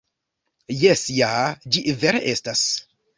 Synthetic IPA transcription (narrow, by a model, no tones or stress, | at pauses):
jesjad͡ʒiveɾḛʔe̞stas